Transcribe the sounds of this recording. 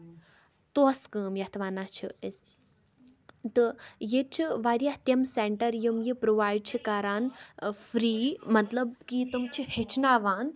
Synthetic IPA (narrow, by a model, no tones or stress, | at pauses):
t̪oskəːmjɐt̪ʰʋaːnaːt͡ʃʰies | t̪ɨjet͡ʃʰiʋaːɾjaht̪jɐmseɳʈɐɾjumjipɾoʋaːjɖ̚t͡ʃʰikaɾaːnfɾiːmɐt̪lɐb̚kit̪umt͡ʃʰihet͡ʃʰnaːʋaːn